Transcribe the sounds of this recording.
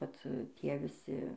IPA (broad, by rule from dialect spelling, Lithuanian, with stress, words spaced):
ˈʋɐt ˈtʲiɛ ʋʲɪˈsʲɪ